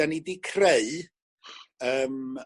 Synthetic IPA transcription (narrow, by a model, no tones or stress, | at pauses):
anidikʰreɨ | əːm